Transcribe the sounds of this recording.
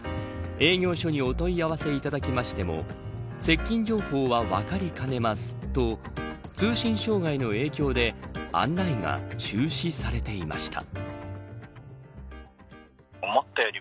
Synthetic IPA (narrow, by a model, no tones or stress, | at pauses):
e̞ːɡʲjo̞ːɕo̞ɲ̟io̞t̪o̞iaβase̞it̪ad̪akʲimaɕi̥t̪e̞mo̞̰se̞kʲːĩɲ̟d͡ʑo̞ːho̞ːβaβa̰kaɾʲikane̞masɨ̥t̪o̞ | t͡sɨːɕĩɰ̃ɕo̞ːɡaino̞e̞ːkʲo̞ːd̪e̞ã̰nːaiŋa̰t͡ɕɨːɕisaɾe̞t̪e̞ima̰ɕi̥t̪ʰa̰ | omot̪ːajoɾʲi